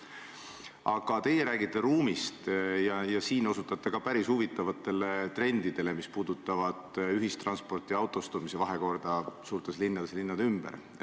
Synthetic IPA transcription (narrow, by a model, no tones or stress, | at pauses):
ɑɡ̥ɑt̪e̞jeɾæːɡ̥it̪ˑːe̞ɾuːmist̪jɑjɑsiːno̞sut̪ːˑɑt̪ːˑe̞kɑpæɾisuvit̪ːˑɑvɑt̪ːˑe̞le̞t̪re̞nd̪̥id̪̥e̞le̞mispuːd̪̥ut̪ːˑɑvɑd̪̥yɦist̪rɑnspo̞rt̪ˑiɑwt̪ˑo̞st̪umise̞vɑɦeko̞rd̪̥ɑsuːrt̪eslinːɑd̪̥eslinːɑd̪ymb̥ḛɾ